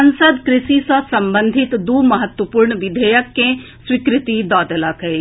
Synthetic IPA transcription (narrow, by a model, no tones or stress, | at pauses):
ɐnsəd̪kɾɪʃisəsɐmbə̃nd̪ʱɪt̪d̪umɐɦət̪wəpuːɾɳəʋɪd̪ʱəjəkːẽ | swɪkɾɪt̪id̪ɔːd̪ələkɦe